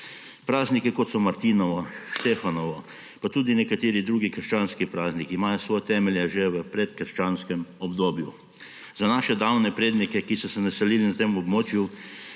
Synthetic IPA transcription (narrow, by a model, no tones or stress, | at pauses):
pɾaːznikikot̪sɔmaɾt̪iːnɔʋɔʃt̪efanɔʋɔ | pat̪uːd̪inɛkat̪eːɾid̪ɾuːɡikəɾʃt͡ʃaːnskipɾaːznikiːmaːjɔsʋɔjt̪ɛmɛljɛʒeʋəpɾɛt̪kəɾʃt͡ʃaːnskɛmɔbd̪oːbju | zanaːʃɛd̪awnɛpɾeːd̪nikɛkisɔsɛnasɛliːlinat̪emɔbmoːt͡ʃju